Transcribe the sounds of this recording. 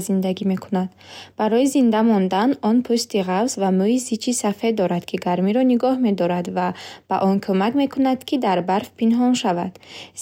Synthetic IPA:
zind̪aɡime̞kʰunad̪ | b̥aɾɔizind̪amɔnd̪anɔnpʰust̪iʁavsvamuizit͡ʃʰisafe̞d̪d̪ːɔɾad̪kʰiɡaɾmiɾɔniɡɔhme̞d̪ɔɾad̪vab̥aʔɔnkʰumakme̞kʰunad̪̥kʰid̪aɾbaɾfpinɦɔnʃavad̪̥z

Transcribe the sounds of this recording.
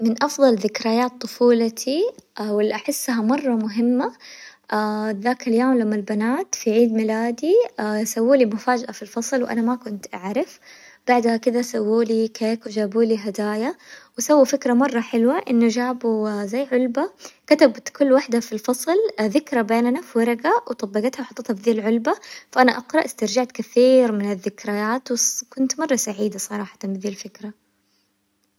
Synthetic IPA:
mɪnʔɑfðˤɑlðɪkɾajaːt̪ˤːʊfuːlat̪ʰiawɪlːiʔaħɪsːɦamɑrˤːɑmʊɦɪmːaʔaðaːkaljoːmlamːalbanaːt̪fiʕiːd̪mɪlaːd̪isawːuːlimʊfaːd͡ʒaʔafilfɑsˤlwʔa̰namakʊnt̪ʔaʕɾɪf | b̥aʕd̪hakɪd̪asawːuːlikeːkwd͡ʒaːbuːliɦad̪aːjawasawːifɪkɾamɑrˤːɑħɪlwaʔɪnːʊd͡ʒaːbuzajːʕʊlbakat̪abt̪kʊlːwaħd̪afilfɑsˤlðɪkɾabeːnanafwɑɾˤɑɡawʔt̪ˤɑbːɑɡat̪hawħɑt̪ˤːɨt̪habd̪iːlʕʊlbafaʔanaʔɑqɾˤɑʔɪst̪ɑɾˤd͡ʒaʕt̪kaθiːɾmɪnɪðːɪkɾajaːt̪wkʊnt̪mɑrˤːɑsaʕiːd̪asˤɑɾˤɑːħɑ̥t̪ɑmbid̪iːlfɪkɾa

